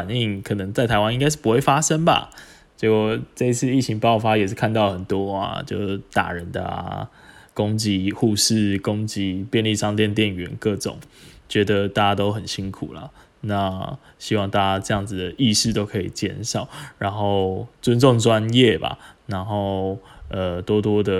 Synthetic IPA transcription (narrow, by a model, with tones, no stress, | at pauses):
fa˨˩ni˥˩ŋkʰɤ˨˩nə˨˦ŋt͡sa˥˩ɪt̪ʰa˧ɪwa˦ni˥ŋka˥ɪʂɻ̩˥˩pu˦˥we˥˩ɪfa˥ʂə˦ŋba̰˨˩ | t͡ɕɛ˧˩kɔ˥˧ʈ͡ʂɤ˥˧i˧t͡s̩ʰ˥˧i˥˩t͡ɕʰi˧˥ŋpɑ˥˩ʊfa˦jɛ˨˩ʂɻ̩˥˧kʰa˥˧nt̪ɑ˥˩ʊxə˨˩nt̪wɔ˦a̰˨˩t͡ɕjo˥˧˩ʊt̪a̰˨˩ɻə˨˦nd̪ə̰˨˦ | kʊ˦˥ŋt͡ɕi˧˥xu˥˧ʂɻ̩˥˨kʊ˦˥ŋt͡ɕi˧˥pjɛ˥˧nli˥˩ʂɑ˥˧ŋt̪jɛ˥˧nt̪jɛ˥˨nɥɛ̰˧˦nkɤ˥˩ʈ͡ʂʊ̰˨˩˦ŋt͡ɕɥɛ˧˥d̪ə˧t̪a˥˩t͡ɕa˥t̪o˥ʊxə˨˩nɕi˦˥nkʰu˨˩lə̰˩ | na˥˧ | ɕi˥wɑ˥˧ŋt̪a˥˧t͡ɕa˦˥ʈ͡ʂɤ˥˧jɑ˥˩ŋd͡zɹ̩˩d̪ə˩ʔi˥˧ʂɻ̩˥˧t̪o˥ʊkʰɤ˧˥i˨˩t͡ɕjɛ̰˥˧˩nʂɑ˨˩˦ʊɻa˧˦nxo˥˩ʊt͡sə˦nt͡so˥˨ŋʈ͡ʂwa˦njɛ˥˨ba̰˨˩na˧˥˦nxo˥˩ʊə˨t̪wɔ˥t̪wɔ˥d̪ə˨